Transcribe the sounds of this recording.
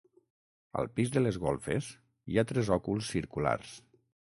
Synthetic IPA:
ə̰lˠpizðəlezɣolˠfḛs | iat̪ɾɛzɔkulˠsːiɾkula̰rs

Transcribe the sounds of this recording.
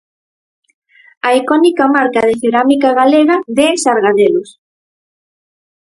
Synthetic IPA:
aikɔnikamaɾkɐð̞ɪθeɾamikaɣaleɣɐðesaɾɣaðelʊs

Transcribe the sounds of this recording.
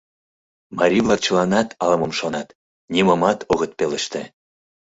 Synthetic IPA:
mɑɾʲivlˠɑk̚t͡ɕəlɑnɑt̪ɑlɤmə̆mʃonɑt̪ | nʲiməmɑt̪ʰoɣət̪̚pelə̆ʃt̪ĕ

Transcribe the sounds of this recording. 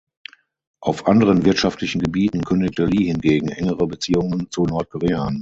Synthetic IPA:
ʔaʊfʔandəʁ̞ənvɪɐtʃaftʰlɪçn̩ɡəbiːtn̩kʰʏndɪk̚təliːhɪnɡeːɡŋ̩ʔɛŋəʁəbət͡siːʊŋənt͡sunɔɐt̚kʰɔʁeːaːn

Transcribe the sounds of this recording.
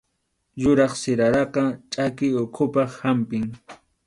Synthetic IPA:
jʊɾɑχsɪɾaɾɑqɑt͡ʃʼakɪjʊkʰʊpɑχhampɪŋ

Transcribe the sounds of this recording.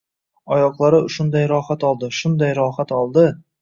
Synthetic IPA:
ɒjɒqlˠaɾɪʊʃʊnd̪ajɾɒhat̪ɒlˠd̪ɪʃʊnd̪ajɾɒχat̪ɒlˠd̪ɪ

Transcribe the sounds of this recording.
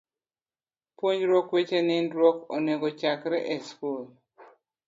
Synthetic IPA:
pwoɲɾɔkwet͡ʃenɪndɾwɔkɔ̰nɛɡɔt͡ʃakɾɛʔɛskol

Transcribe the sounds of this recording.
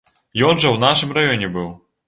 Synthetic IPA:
jɔnʐɐwnaʂɨmrajɔnʲɛbɨw

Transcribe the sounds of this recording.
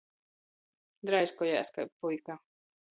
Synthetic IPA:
d̪ɾajskɔjaʔskajpujka

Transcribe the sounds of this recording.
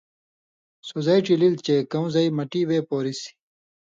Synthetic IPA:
sozɐjʈililt͡ɕekɐ̃w̃zɐimɐʈiweːpoːɾisi̥

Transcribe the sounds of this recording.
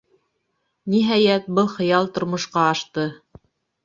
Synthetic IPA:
niɦæjæt̪̚bɤlˠχɤ̆jɑlˠt̪ŏɾmŏʃqɑːʃt̪ɤ

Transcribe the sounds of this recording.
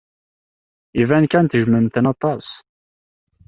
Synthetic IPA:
ivænkænt̪əʒməmt̪ənɑt̪ˤɑs

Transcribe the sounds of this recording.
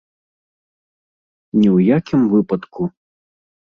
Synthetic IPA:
nʲɛwjakʲimvɨpɐt̪kʰu

